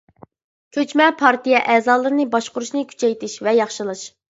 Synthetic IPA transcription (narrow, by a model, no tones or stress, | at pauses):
kʲʰøt͡ʃmɛpʰɑɾt̪ijɛʔɛːzɑːlˠɨɾɨnɨbɑʃqʊɾuʃnɨkʲʰy̥t͡ʃʰɛjt̪ʰɪʃvɛjɑχʃɨlˠɨʃ